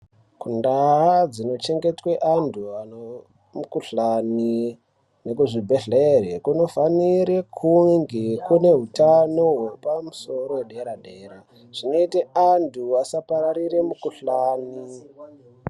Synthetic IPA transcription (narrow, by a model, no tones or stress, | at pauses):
kundaɦad͡zino̞t͡ʃe̞ŋɡe̞twe̞ʔandʰua | mukuɬani | ne̞kuʐibʱe̞ɮerekuno̞faniɾekʰuŋɡekune̞ɦutano̞wopamuso̞ɾoeɗeɾaɗeːɾa | ʐ̥ino̞iteandʰuasapaɾaɾiremukuɬani